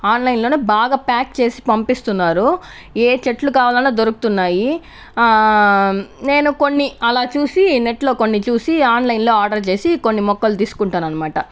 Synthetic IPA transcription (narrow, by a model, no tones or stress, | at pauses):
aːnlɐjnlo̞ːnebaːɡaːpaːk̚t͡ʃe̞ːsi̥pɐmpist̪unːaːɾu | eːt͡ʃeʈlukaːʋaːlɐnoːd̪o̞ɾuku̥t̪unːaːji | ne̞ːnuko̞nːiɐlaːt͡ʃuːsineʈlo̞ːko̞nːit͡ʃuːsiaːnlɐjnlo̞ːaːɾɖɐɾt͡ʃe̞ːsiko̞nːimɔkːɐlut̪iːsu̥kuɳʈaːnɐnːɐmaːʈɐ